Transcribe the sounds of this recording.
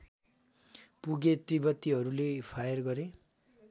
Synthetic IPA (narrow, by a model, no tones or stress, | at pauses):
puɡet̪ribʌt̪ːiɦʌɾulepʰajʌrɡʌɾe